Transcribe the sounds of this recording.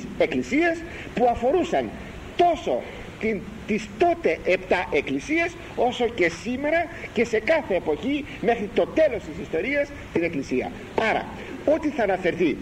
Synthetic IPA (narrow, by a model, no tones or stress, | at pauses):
se̞klisiɐs | puɐfo̞ɾusɐn | t̪o̞so̞̰ | t̪in | t̪ist̪o̞t̪e̞ʔept̪ɐʔe̞klisies | o̞so̞ce̞sime̞ɾɐce̞se̞kɐθe̞ːpo̞çi | me̞xɾit̪o̞t̪e̞lo̞st̪isist̪o̞ɾiɐs | t̪ine̞klisiɐ̰ | ɐɾɐ̰ | o̞t̪iθɐːnɐfe̞ɾθi